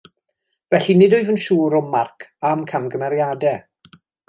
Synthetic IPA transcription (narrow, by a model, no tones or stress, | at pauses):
vɛɬinɪdɔjvənʃuːɾɔmarkʰamkʰamɡəmɛɾjadɛ